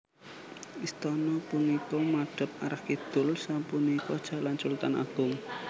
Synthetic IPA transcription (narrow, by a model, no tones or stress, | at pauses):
ʔist̪ɔnɔpunikɔmaɖ̥ə̤p̚aɾahkid̪̥ʊ̤lsapunikɔd̥ʒ̥a̤lant͡ʃult̪ana̰ɡ̥ʊŋ